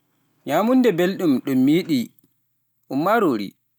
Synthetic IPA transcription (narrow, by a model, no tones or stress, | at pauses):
ɲaːmundɛbelɗumɗumːiːɗi | ʔumːaɾoːɾḭ